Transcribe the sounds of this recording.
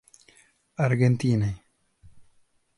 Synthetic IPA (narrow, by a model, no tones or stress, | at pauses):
ɐɾɡent̪iːnaj